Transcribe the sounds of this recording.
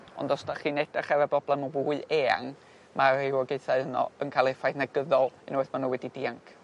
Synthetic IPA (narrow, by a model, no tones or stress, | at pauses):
ɔ̰ndɔsd̥aχiːnɛdaχɛvɛbrɔblˠɛmɔvuːɨeːa̰ŋ | mʔaɪwɔɡeɨθaɨənɔ̰ənkʰalˠefajdnaɡəðɔlˠɪ̰nwɛθmanuwɛdidiːaŋkʰ